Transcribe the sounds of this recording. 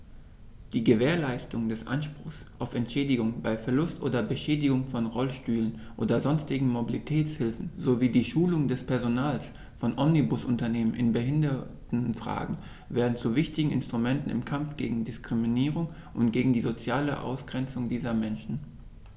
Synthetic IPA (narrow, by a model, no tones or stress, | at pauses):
d̥iːɡəveːɐlaɪstʊŋdɛsʔa̰nʃpʁ̥ʊxsʔaʊfɛntʃɛːdɪɡʊŋbaɪfɛɐlʊstʔoːdɐbəʃɛːdɪɡʊŋfɔnʁɔlʃtyːlən | ʔoːdɐzɔnstɪɡŋ̩mobilitʰɛːt͡shɪlfn̩zoviːdiːʃuːlʊŋdɛspɛɐzonaːls | fɔnʔɔmnibʊsʔʊntɐneːmənʔɪnbəɦɪndɐtn̩fʁ̥a̰ːɡŋ̩ | veːɐdn̩t͡suvɪçtɪɡŋ̩ɪ̰nstʁ̥umɛntn̩ɪ̰mkʰamfɡ̥eːɡŋ̩dɪskʁ̥iminiːʁ̞ʊŋ | ʔʊntɡ̥eːɡŋ̩diːzot͡sjaːləʔa̰ʊsɡ̥ʁɛnt͡sʊŋdiːzɐmɛnʃn̩